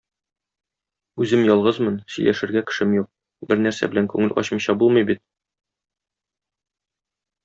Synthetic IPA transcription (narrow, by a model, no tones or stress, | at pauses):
ʉzɘmjɒlˠʁɤzmɤnsɵ̆jlʔæ̰ʃɘ̆ɾɡækɘ̥̆ʃɘmjuq̚ | bɘɾnæɾsæ̰bɘ̆læŋkʉŋɘlʔɒ̰ɕmɤ̆ɕɑbulˠmɤjbit̪̚